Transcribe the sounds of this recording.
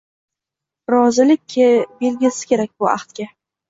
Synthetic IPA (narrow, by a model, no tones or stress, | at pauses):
ɾɒzɪlɪk̚ʲʰbe̞lɡʲɪsɪ̥kʲʰe̞ɾak̚ʲbʊa̰χt̪ɡʲa